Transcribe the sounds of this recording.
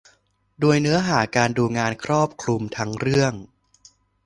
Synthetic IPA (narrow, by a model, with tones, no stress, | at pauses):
doː˧əjnɯ˦˥ɐɦaː˩˦kaː˧nduː˧ŋaː˧nkʰɾɔː˥˩p̚kʰlu˧mt̪ʰa˦˥ŋɾɯ˥˩əŋ